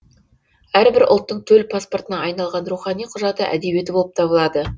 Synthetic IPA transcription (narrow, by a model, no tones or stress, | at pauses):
æɾbɪɾʔʊ̰lˠt̪ːəɴt̪ʰɵlpʰasport̪ənɑɑjnɑlˠʁɑnɾuχɑnijqʰʊʒɑt̪əʔæ̰d̪e̞bje̞t̪ɪboəp̚t̪ʰɑbəlˠɑd̪ə